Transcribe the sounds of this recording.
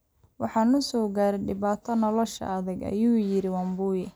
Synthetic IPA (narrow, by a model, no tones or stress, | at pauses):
wɑħɑːnʊsɔːɡaːɾɛɖɪβaːt̪ʰɐnɔlɔʃɐ̰ːðɐɡɐ̰juːjɪɾɪwɑmbuːjɛ